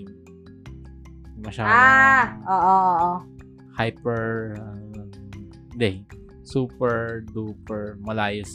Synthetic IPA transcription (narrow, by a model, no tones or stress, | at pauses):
mɐʃaːdaʔoːʔoʔoʔo | hajpɛɹɐ | d̪ɛ | suːpɛɹd̪upɛɹmɐlaːjos